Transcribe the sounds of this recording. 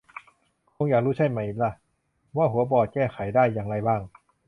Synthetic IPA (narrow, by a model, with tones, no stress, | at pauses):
kʰoː˧ŋjaː˨˩k̚ɾuː˦˥˩t͡ɕʰa˧˥˩jma˧˩jʔi˨˩la˧˩ | waː˥˩ɦu˩˦ɐbɔː˨˩t̪̚kɛː˥˩xʰa˨˩˦jdaː˥˩jːaː˨ŋɾa˧jbaː˥˩ŋ